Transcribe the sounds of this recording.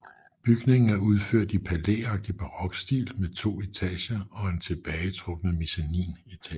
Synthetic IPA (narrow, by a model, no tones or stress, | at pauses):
b̥yɡ̥ne̝ŋn̩æɐuð̞ˠføɐ̰d̥ipʰælḛːɑ̈ɡ̥̚d̥ib̥ʰɑ̈ʁɒ̽ɡ̥sd̥ḭːlmet͡sʰo̝̰ːit͡sʰɛ̰ːɕɐɒ̽e̝nt͡sʰe̝b̥ɛːɪt͡sʰʁɔ̽ɡ̥nəmisænḭːnit͡sʰɛ̰